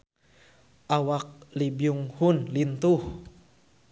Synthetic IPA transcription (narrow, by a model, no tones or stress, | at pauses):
ʔawak̚libiuŋhunlint̪uh